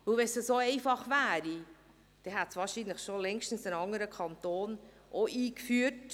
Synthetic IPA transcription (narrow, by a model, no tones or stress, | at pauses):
ʋɵwʋɛsəsoɛɪfɑχʋæːɾi | d̥ɛɦæt̪sʋɑːɾʃinləχʃolɛŋʃtən̩sənɑŋːəɾəkʰɑnt̪oːn | ʔoʔiːkfyːət